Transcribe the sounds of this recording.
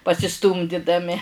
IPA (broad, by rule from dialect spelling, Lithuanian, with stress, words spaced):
pɐsʲɪˈstuːmʲdʲɪdɐmʲɪ